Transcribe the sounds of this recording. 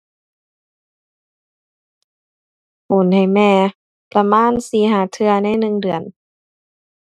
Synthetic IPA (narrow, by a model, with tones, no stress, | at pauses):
hu˨˩˦nha˨˩jmɛː˧ | pɾa˧maː˧˥˨nsiː˨˧˦ɦaː˨˩˦t̪ʰɯ˧ɐna˧˥˨jnɯ˧ŋdɯ˨˩ən